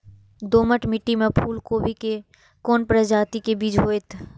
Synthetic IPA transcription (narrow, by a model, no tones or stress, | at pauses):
d̪oːməʈmɪʈːimẽpʰuːlkoːʋike | koːnpɾəd͡ʒaːt̪ikebiːd͡ʒɦoːet̪ʰ